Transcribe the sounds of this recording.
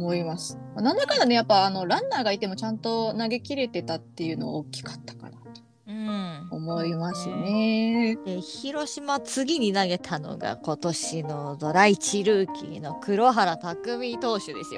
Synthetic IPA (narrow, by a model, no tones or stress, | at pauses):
omo̞imasɨ̥manãnd̪akanane̞japːaːno̞ɾãnːaːɡait̪e̞mo̞t͡ɕãnt̪o̞naɡe̞kʲiɾe̞t̪e̞t̪at̪ːe̞jɯ̟no̞̰okʲːi̥kḁt̪ːḁka̰nat̪o̥ | ɯ̃ɴɴomo̞imasɨned̪̥e̞çiɾo̞ɕimat͡sɨɡʲiɲ̟inaɡe̞t̪ʰano̞̰ɡa̰ko̞t̪o̞ɕino̞d̪o̞ɾait͡ɕiɾɯ̟ːkʲḭno̞kɯ̟ɾo̞ɦaɾat̪akɯ̟mʲit̪o̞ːɕɨd̪e̞sɨjo̰